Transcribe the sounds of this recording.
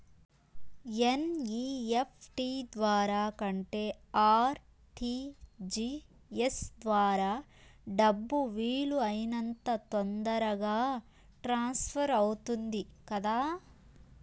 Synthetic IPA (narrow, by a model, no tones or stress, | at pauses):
eniːepʰʈid̪ʋaːɾaːkɐɳʈe̞ːaːɾ | ʈʰid͡ʒi | esd̪ʋaːɾaː | ɖɐbːuʋiːɭuɐjinɐnt̪ɐt̪ond̪ɐɾɐɡaː | ʈɾaːnspʰɐɾɐwut̪und̪ikɐd̪aː